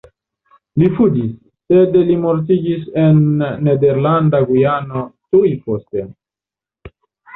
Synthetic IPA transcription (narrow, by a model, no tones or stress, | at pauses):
lifudisː | ed̪elimoɾt̪̬iɡisenːed̪eɾland̪aɡujanot̪ujpost̪e